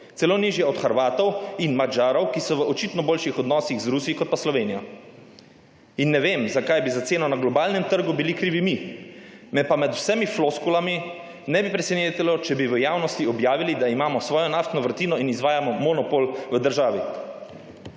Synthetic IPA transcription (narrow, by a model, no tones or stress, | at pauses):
z̥ɛloːniːʒjɛɔd̪xaɾʋaːt̪ɔwinmad͡ʒaːɾɔwkisɔʋəʔɔt͡ʃit̪nɔboːlʃixɔd̪nɔːsiɣzɾusiikɔt̪̚paslɔʋeːnijɔ | inːɛʋeːmzakajbizat̪seːnɔnaɡlɔbaːlnɛmt̪əɾɡubilikɾiːʋimi | mɛpamɛt̪wsɛmifloskulami | nɛbipɾɛsɛneːt̪ɛlɔt͡ʃɛbiʋəjaːwnɔst̪iɔbjaːʋilid̪aimaːmɔsʋɔːjɔnaft̪nɔʋəɾt̪iːnɔinizʋaːjamɔmɔnɔpolʋəd̪əɾʒaːʋi